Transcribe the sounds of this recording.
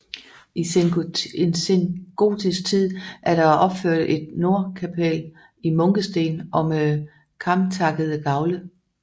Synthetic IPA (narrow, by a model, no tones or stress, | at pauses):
ʔisenensenɡ̥o̝̰ːd̥ʰisɡ̥̚t͡sʰið̰ˠʔæɐɾ̥ɑ̈ʔɒ̽b̥føɐ̰d̥əʔe̝d̥̚no̝ɐ̰kʰæpʰel | imɔ̽ŋɡ̥əsd̥e̝̰ːnʔɒ̽m | kʰɑ̈mt͡sʰɑ̈ɡ̥əð̩ˠəɡ̥ɑ̈ʊlə